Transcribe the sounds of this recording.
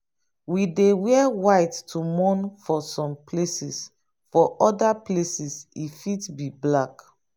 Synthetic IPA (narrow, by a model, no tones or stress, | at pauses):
widewɛwajtːʰumɔ̃nfɔsɔ̃mpʰlesis | fɔʔɔdaplesisifitbiblak